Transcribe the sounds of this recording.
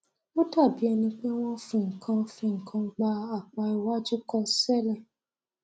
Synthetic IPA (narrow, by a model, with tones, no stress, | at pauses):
o˦ta˦˨bi˨˦ɛ˧nĩ˧k͡pe˦w̃ɔ̃˦fĩ˧˨ŋ̩˨kʰã˧fĩ˧ŋ̩˨kʰã˧ɡ͡ba˧a˦˨k͡pã˧i˧wa˦d͡ʒu˦kɔ˧sɛ˦˨lɛ˦˨